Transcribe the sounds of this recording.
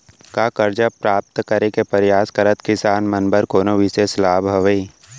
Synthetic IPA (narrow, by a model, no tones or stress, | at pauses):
kaːkɐɾd͡ʒəpɾaːp̚t̪kɐɾekepɐɾjaːskɐɾət̪kɪsaːnmɐnbəɾkoːnoʋɪseslaːbʱɐʋəi